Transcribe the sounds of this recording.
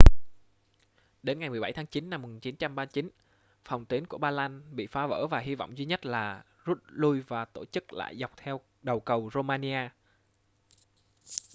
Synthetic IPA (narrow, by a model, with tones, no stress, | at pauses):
ɗe˨˦nŋa˨˩jmɨ˨˩əɓa˧˩jt̪ʰaː˨˦ŋt͡ɕi˨˦nːa˧mːu˨˩nt͡ɕi˨˦nt͡ɕa˧mɓaː˧t͡ɕi˨˦n | fa˨˩wŋ͡mt̪wi˨˦ənku˧˩əɓaː˧laː˧nɓḭ˧˨faː˨˦və̰ː˧˩vaː˨˩ɦi˧vɔ̰˧˨wŋ͡mzwi˧ɲə˦˥t̚laː˨˩ | zu˦˥t̚lu˧jvaː˨˩t̪o˧˩t͡ɕɨ˦˥k̚la̰ː˧˨jza˨˩wk͡p̚t̪ʰɛ˧w | ɗə˨˩wkə˨˩wzo˧maː˧ni˧ʔaː˧